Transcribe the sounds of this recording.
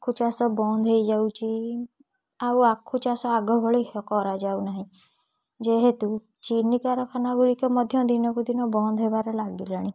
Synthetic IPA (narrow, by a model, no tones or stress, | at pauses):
akʰut͡ʃasɔbɔnd̪ʱɦejd͡ʒawt͡ʃʰi | awakʰːut͡ʃasɔaɡɔbʱɔɭiɦkɔɾad͡ʒawnaɦĩ | d͡ʒeɦet̪u | t͡ʃinikaɾɔkʰanaɡuɽikɔmɔd̪ʱjɔd̪inɔkud̪inɔbɔnd̪ʱɦebaɾɔlaɡilaɽ̃i